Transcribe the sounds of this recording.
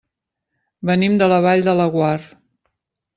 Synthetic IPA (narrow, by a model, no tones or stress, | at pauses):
bənimd̪ələβ̞aʎd̪ələɣwar